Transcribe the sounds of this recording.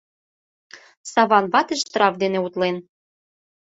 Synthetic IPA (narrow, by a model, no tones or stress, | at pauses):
sɑβɑnβɑt̪ĕʃt̪ɾɑvd̪eneut̪len